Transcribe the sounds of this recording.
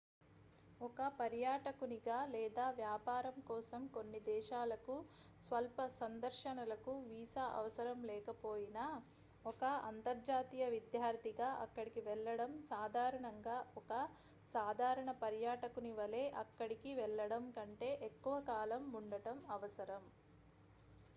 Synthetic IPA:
ɔkɐpɐɾjaːʈɐkuniɡaːlɛːd̪aːʋjaːpaːɾɐmkɔːsɐmko̞nːid̪ɛːʃaːlɐku | sʋɐlpɐsɐnd̪ɐɾʃɐnɐlɐkuʋiːsaʔɐ̰ʋɐsɐɾɐmlɛːkɐpoːjina | ɔkɐɐ̰nt̪ɐɾd͡ʒaːt̪iːjɐʋid̪jaːɾt̪iɡaːʔɐkːɐɽikiʋɛɭːɐɽɐmsaːd̪ʱaːɾɐɳɐŋɡaːɔkɐ | saːd̪ʱaːɾɐɳɐpɐɾjaːʈɐkuniʋɐleːʔɐkːɐɽikiʋɛɭːɐɽɐmkɐɳʈe̞ːʔekːuʋɐkaːlɐmuɳɖɐʈɐmɐʋɐsɐɾɐm

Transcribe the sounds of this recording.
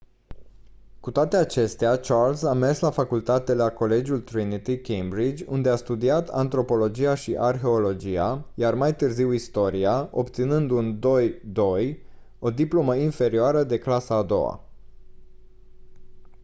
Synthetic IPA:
kut̪oat̪e̞at͡ʃe̞st̪eat͡ʃarlsame̞rslafakult̪at̪e̞lako̞le̞d͡ʒult̪ɾinit̪ikejmbɾid͡ʒʲund̪e̞ast̪ud̪iat̪ʰa̰nt̪ɾo̞po̞lo̞d͡ʒiaʃiʔarxe̞o̞lo̞d͡ʒiajarmajt̪ɨrziwist̪o̞ɾiao̞pt̪sinɨnd̪und̪o̞jd̪o̞j | o̞d̪iplo̞məinfe̞ɾioaɾəd̪e̞klasaːd̪o̞̰wa̰

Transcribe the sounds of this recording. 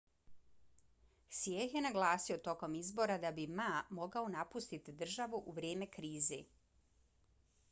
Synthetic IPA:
sjexje̞naɡlˠaːsiot̪o̞ko̞mizbo̞ɾad̪abimamo̞ɡao̞napust̪it̪id̪r̩ʒaʋuʔuʋɾje̞ːme̞kɾiːzḛ

